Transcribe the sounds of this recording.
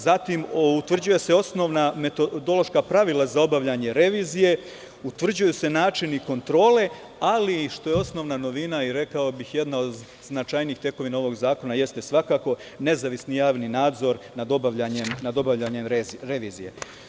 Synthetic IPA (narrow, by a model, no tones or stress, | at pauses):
zat̪imut̪ʋr̩d͡ʑuje̞se̞o̞sno̞ʋnamet̪od̪o̞lo̞ʃkapɾaʋilˠazao̞baʋʎaɲe̞ɾe̞ʋiːzije̞ | ut̪ʋr̩d͡ʑujuse̞naːt͡ʃiniko̞nt̪ɾo̞ːle̞ | aliʃt̪o̞je̞o̞sno̞ʋnano̞ʋinaiɾe̞kao̞bixje̞d̪naod̪ | znat͡ʃajniːxt̪je̞ko̞ʋinao̞ʋo̞ɡzaːko̞naje̞st̪e̞sʋakaːko̞ | ne̞zaʋisnijaːʋninaːd̪zo̞ɾnad̪o̞baʋʎaɲemnad̪o̞baʋʎaɲe̞mɾeɾe̞ʋiːzije̞̰